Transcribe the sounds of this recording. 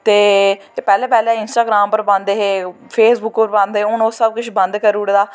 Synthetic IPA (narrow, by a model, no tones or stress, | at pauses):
t̪eː | epɛːlẽːpɛːlɛ̃ːɪnsʈaːɡɾaːmpəɾbãnd̪eɦeː | pʰeːsbʊkpəɾbãːnd̪eːʊnoːsəb̚kʊt͡ʃʰbə̃nd̪kəɾuːɽd̪aː